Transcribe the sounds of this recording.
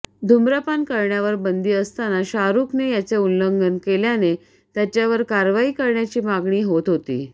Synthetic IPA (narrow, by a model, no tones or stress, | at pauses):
d̪ʱumɾəpankəɾɳjaʋəɾbənd̪iːəst̪anaɕaɾuknejat͡ɕeulːəŋɡənkeljane | t̪jat͡ɕjaʋəɾkaɾʋaiːkəɾɳjat͡ɕiːmaɡɳiːɦot̪ɦot̪ḭː